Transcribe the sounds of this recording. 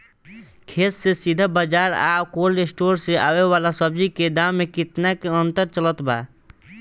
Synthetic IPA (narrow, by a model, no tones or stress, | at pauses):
kʰeːt̪sesid̪ʱəbad͡ʒaːɾa̰ːwkoːlɾesʈoːɾseʔa̰ːweʋalasəbd͡ʒiked̪amːekɪt̪nakeənt̪əɾt͡ʃələt̪ba̰